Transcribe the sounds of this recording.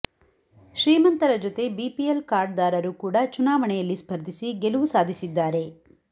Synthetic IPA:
ʃɾiːmɐnt̪ɐɾɐd͡ʒot̪e̞biːpielkaːɾɖd̪aːɾɐɾukuːɽɐt͡ʃunaːʋɐɳɛjɐlːispʰɐɾd̪ʱisiɡeluʋusaːd̪ʱisid̪ːaːɾe̞

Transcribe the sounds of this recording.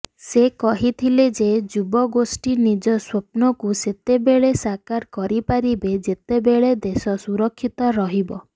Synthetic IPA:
sekɔɦit̪ʰiled͡ʒed͡ʒubɔɡosʈinid͡ʒɔswop̚nɔkuset̪ebeɭesakaɾkɔɾipaɾibed͡ʒet̪ebeɭed̪esɔsuɾɔkʰːit̪ɔɾɔɦibɔ

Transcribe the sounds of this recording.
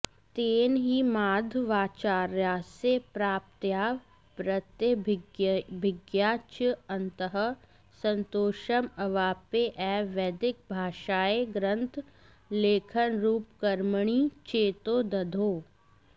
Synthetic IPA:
t̪eːnɦimaːd̪ʱʋaːt͡ʃaːɾjaːsepɾaːp̚t̪jaː | pɾət̪jə | bʱɪɡjaːt͡ʃəɐnt̪əɦə | sə̃nt̪oːʃəmɐʋaːpeʔɛːʋɛːd̪ɪk̚bʱaːʃaːeɡɾə̃nt̪ʰ | leːkʰənɾuːpkɐɾməɳ̃it͡ʃeːt̪oːd̪ɐd̪ʱoː

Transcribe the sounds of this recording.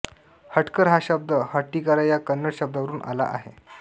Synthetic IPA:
həʈkəɾɦaɕəb̚d̪əhəʈːikaɾajakənːəɽɕəb̚d̪aʋəɾuːnʔa̰la̰ʔa̰ɦḛ

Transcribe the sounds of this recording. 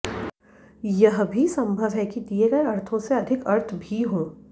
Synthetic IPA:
jɐɦbʱisɐ̃mbʱəʋɦɛkid̪ieɡɐeɐɾt̪ʰõseɐd̪ʱɪkɐɾt̪ʰbʱiɦoː

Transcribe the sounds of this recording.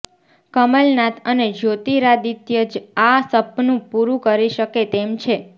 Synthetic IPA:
kəməlnat̪ʰəned͡ʒot̪iɾad̪it̪jəd͡ʒasəpnũpuɾũkəɾiʃəket̪emt͡ʃʰe

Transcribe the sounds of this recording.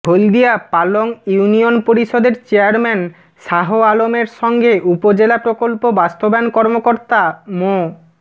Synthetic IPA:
bʱold̪iapaloŋjunionpoɾiʃod̪eɾt͡ɕeaɾmɛn | ʃaɦoalomeɾʃɔŋɡeʔupod͡ʑelapɾokolpobast̪obankɔɾmokoɾt̪amo

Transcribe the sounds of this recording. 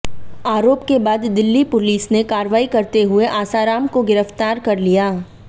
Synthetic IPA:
aːɾoːpkebaːd̪ːɪlːipʊliːsnekaːɾʋaːikɐɾt̪eɦʊeʔaːsaːɾaːmkoɡɪɾəft̪aːɾkɐɾlijaː

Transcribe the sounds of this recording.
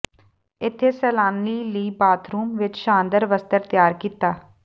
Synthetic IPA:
ɪt̪ʰːeːsɛːlaːnliːliːbaːt̪ʰɾuːmʋɪt͡ʃʃãːnd̪əɾʋəst̪əɾt̪ɪjaːɾkiːt̪aː

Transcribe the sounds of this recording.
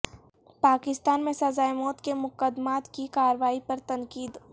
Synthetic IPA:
paːkɪst̪aːnmẽsɐzaːemɔːt̪kemʊkəd̪maːt̪kikaːɾʋaːipɐɾt̪ɐŋkiːd̪

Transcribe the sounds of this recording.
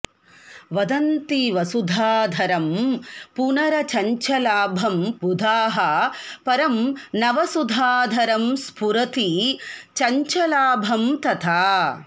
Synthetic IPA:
ʋɐd̪ɐnt̪iʋɐsud̪ʱaːd̪ʱɐɾɐmpunɐɾɐt͡ʃɐɲt͡ʃɐlaːbʱɐmpud̪ʱaːɦɐpɐɾɐmnɐʋɐsud̪ʱaːd̪ʱɐɾɐmspuɾɐt̪it͡ʃɐɲt͡ʃɐlaːbʱɐmt̪ɐt̪ʰaː

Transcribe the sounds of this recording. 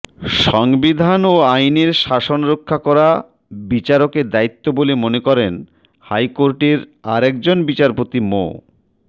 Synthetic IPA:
ʃɔŋbid̪ʱanoajneɾʃaʃonɾokʰːakɔɾa | bit͡ɕaɾoked̪ait̪ːobolemonekɔɾen | hajkoɾʈeɾaɾɛk̚d͡ʑonbit͡ɕaɾpot̪imo̰

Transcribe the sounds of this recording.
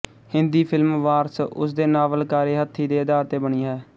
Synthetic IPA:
hɪ̃nd̪iːpʰɪlmʋaːɾsʊ̰sd̪eːnaːʋəlkaːɾeːɦət̪ʰːiːd̪eːɪd̪aːɾt̪eːbəɳ̃iːɦɛː

